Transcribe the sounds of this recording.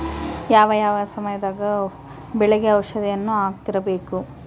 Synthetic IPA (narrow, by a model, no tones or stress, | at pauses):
jaːʋɐjaːʋɐsɐmɐjɐd̪aːɡɐ | bɛɭeɡeɐwʃɐd̪ɛjɐnːuaːɡ̚t̪iɾɐbe̞ːku